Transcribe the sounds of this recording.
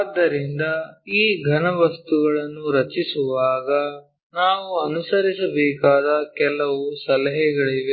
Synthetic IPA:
aːd̪ːɐɾind̪ɐiːɡʱɐnɐʋɐst̪uɡɐɭɐnːuɾɐt͡ʃisuʋaːɡɐ | naːʋuɐnusɐɾisɐbɛːkaːd̪ɐkɛlːɐʋusɐlɐɦɛɡɐɭiʋe

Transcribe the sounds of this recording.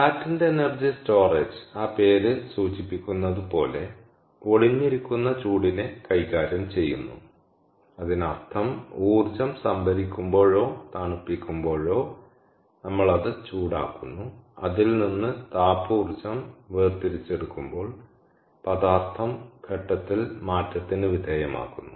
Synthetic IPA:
kaːtːinde̞ːnɐrd͡ʑisto̞ːreːd͡ʑɨaːpe̞ːɾɨsuːt͡ɕipːikʲːunːɐðupo̞ːle̞ | oɽiɲːiɾikʲːunːɐt͡ɕuːɽinekɐjkaːɾjɐmt͡ɕe̞jːṵnːṵ | ɐðinɐrt̪ʰɐmuːrt͡ɕɐmsɐmbʱɐɾikʲːumbo̞ːɻo̞ːt̪aːɳupːikʲːumbo̞ːɻo̞ː | nɐmːɐɭɐðɨt͡ɕuːɽa̰ːkːunːuɐðilninːɨt̪aːpuːrt͡ɕɐmʋeːrt̪iɾit͡ɕːe̞ɽukːumbo̞ːɭ | pɐðaːrt̪ʰːɐmkʰeʈːɐt̪ːilmaːtːɐt̪ːinɨʋid̪ʱeːjɐma̰ːkːunːu

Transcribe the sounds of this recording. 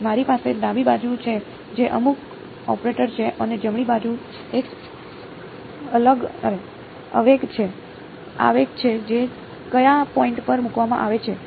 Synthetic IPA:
maɾipaseɖãbibad͡ʒut͡ʃʰe | d͡ʒeʔəmuk | ɔ̰pɾeʈəɾt͡ʃʰeʔəned͡ʒəmɭibad͡ʒu | ek | ələɡə̰ɾe | ə̰ʋekt͡ʃʰe | a̰ʋekt͡ʃʰed͡ʒe | kəjapɔiɳʈpəɾmukʋamã̰ʔaʋet͡ʃʰe

